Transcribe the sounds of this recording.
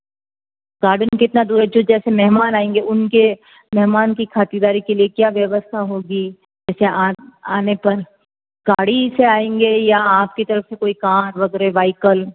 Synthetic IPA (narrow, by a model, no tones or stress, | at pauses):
ɡ̥aːɾɖənkɪt̪nad̪uːɾɛd͡ʒoːd͡ʒɛːsemɛɦmaːnaːẽːŋɡeʊnke | mɛɦmaːnkikʰaːt̪id̪aːɾikeliekjaːʋjɐʋəst̪ʰaɦoːɡi | d͡ʒɛːseaaːnepɐɾ | ɡ̥aːɽiseaːẽːŋɡejaaːp̚kit̪ɐɾəfsekoːikaːɾʋɐɡɾeʋaːɪkəl